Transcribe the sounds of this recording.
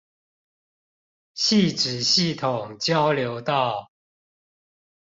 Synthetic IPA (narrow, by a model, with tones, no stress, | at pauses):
ɕi˥˨ʈ͡ʂɻ̩˨˩ɕi˥˨t̪ʰʊ˨˩ŋt͡ɕjɑ˦ʊljo˧˥ʊt̪ɑ˥˨ʊ